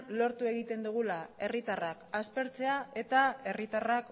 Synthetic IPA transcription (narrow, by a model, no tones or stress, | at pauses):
lo̞ɾt̪ue̞ɣ̞it̪e̞nd̪uɣ̞ulae̞rit̪arakaspe̞ɾt͡se̞ae̞t̪ae̞rit̪arak